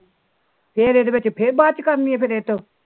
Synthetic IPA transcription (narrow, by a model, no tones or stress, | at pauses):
pʰeɾed̪ebet͡ʃpʰɪɾbaːt͡ʃkəɾniɛːpʰɪɾeːt̪ːõː